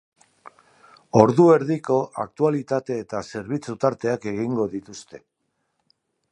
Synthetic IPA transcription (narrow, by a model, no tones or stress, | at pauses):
o̞ɾðue̞ɾðiko̞ʔa̰k̚t̪ualit̪at̪e̞ːt̪ase̞ɾβ̞it͡sut̪aɾt̪e̞ake̞ɣiŋɡo̞ðit̪ust̪e̞